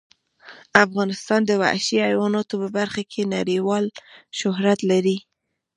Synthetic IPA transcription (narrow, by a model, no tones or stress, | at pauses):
afɣɑnɪst̪ɑnd̪əwa̰ʃiajwɑnɑt̪opəbaɾxakʰenaɾiwɑlʃʊɦɾat̪laɾi